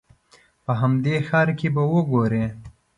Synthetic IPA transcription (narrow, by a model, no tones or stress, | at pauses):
pəɦamd̪exɑːɾkebawoɡoɾe